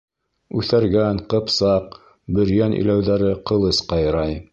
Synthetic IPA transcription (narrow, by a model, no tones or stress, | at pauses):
ʉθæɾɡæŋqɤ̆psɑq̚ | bɵ̆ɾjænʔɵ̰jlæwðæɾɘqɤ̆lˠɤsqɑjɾɑj